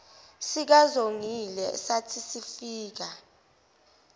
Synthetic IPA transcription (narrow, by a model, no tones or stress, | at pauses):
sik̬azoŋilɛsatʰisifiːk̬a